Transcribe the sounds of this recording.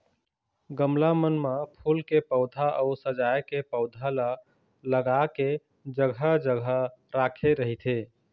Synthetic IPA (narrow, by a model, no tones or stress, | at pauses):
ɡəmlamənmapʰulkepəʊd̪ʱaʔəʊsəd͡ʒajkepəʊd̪ʱala | ləɡake | d͡ʒəɡʱəd͡ʒəɡʱəɾakʰeɾəɦit̪ʰe